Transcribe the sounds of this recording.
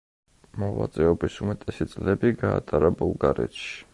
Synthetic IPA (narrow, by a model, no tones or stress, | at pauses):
mɔva̰t̪sʼɛɔbisumɛt̪ʼɛsit̪sʼlɛbiɡa̰ːt̪ʼaɾabulˠɡaɾɛ̰t̪ʃi̥